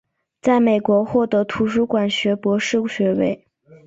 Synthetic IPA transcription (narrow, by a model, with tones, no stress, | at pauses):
t͡sa˥˩ɪme˨˩ɪkwɔ˧˥xwɔ˥˩t̪ɤ˧˥t̪ʰu˧˥ʂu˧˥kwa˨˩nɕɥɛ˧˥pwɔ˧˥ʂɻ̩˥˩ɕɥɛ˧˥we˥˩ɪ